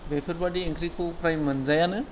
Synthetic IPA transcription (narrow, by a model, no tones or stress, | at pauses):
bepʰeɾbadieŋkɾikʰupɾajmɐnzajanɯ